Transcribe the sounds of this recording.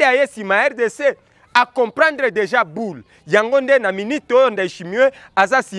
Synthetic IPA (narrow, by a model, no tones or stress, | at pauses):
eajesimaɛʁdese | akɔ̃pʁɑ̃ndʁedeʒabul | jaŋɡondenaminitojondaiʃimiwe | azasi